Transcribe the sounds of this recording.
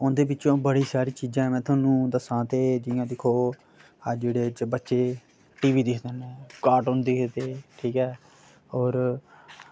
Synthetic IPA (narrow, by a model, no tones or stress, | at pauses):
ʊnd̪eːbɪːt͡ʃõːbəɽiːsaːɾiːt͡ʃiːd͡ʒãːɛ̃mɛ̃ːt̪ʰʊaːnũːd̪əsãːt̪eːd͡ʒɪjãːd̪ɪkʰoː | əd͡ʒeːɽeːt͡ʃbətːʃeː | ʈiːʋiːd̪ɪkʰd̪ənːkaːʈʊnd̪eket̪eːʈʰiːkɛː | ɔːɾ